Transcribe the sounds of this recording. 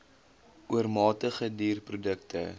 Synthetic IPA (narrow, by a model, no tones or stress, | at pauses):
uərmɑːtəχədiːrprudəktə̰